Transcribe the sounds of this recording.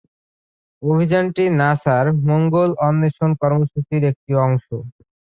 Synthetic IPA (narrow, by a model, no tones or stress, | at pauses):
obʱid͡ʑanʈinaʃaɾmoŋɡolɔnːeʃonkɔɾmoʃut͡ɕiɾek̚ʈiɔŋʃo